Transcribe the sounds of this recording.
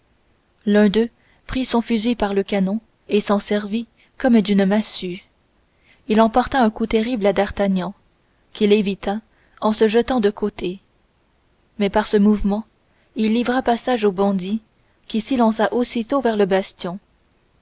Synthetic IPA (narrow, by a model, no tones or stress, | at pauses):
lœ̃d̪ø | pχisɔ̃fyzipaʁləkanɔ̃ | esɑ̃sɛʁvi | kɔmd̪ynmasy | ilɑ̃pɔʁt̪aɛ̃kut̪eʁiblad̪aʁt̪aɲɑ̃ | kʲilevit̪a | ɑ̃səʒət̪ɑ̃d̪əkʰot̪e | mɛpaʁsəmuvmɑ̃ | ilːivʁapasaʒobɑ̃d̪i | kʲisilɑ̃saʔosit̪ovɛʁləbast̪jɔ̃